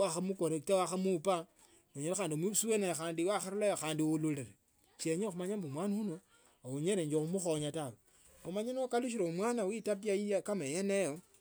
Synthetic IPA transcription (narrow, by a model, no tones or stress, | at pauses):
waxamukoɾetawaxamupa | noɲelexaːndiomwiβusuwenajxaːndiwaxaɾulajoxaːndiululeɾe | t͡ʃeɲexumaɲambumwaniuno | ouɲeɾeɲd͡ʒoxumuxoɲatawe | omaɲenokaluʃ̬iɾoumwaːnawitapiaijakamejenejo